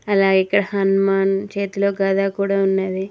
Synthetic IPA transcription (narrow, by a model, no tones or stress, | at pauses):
ɐlaːikːɐɽɐhɐnmaːnt͡ʃeːt̪ulo̞ːɡaːd̪aːkuːɽaːunːaːd̪i